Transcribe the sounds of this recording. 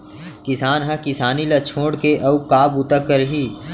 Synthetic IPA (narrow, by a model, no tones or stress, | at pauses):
kɪsaːnɦɐ̃kɪsaːnilɐt͡ʃʰoːɽkeʔɐukaːbut̪əkːəɾɦiː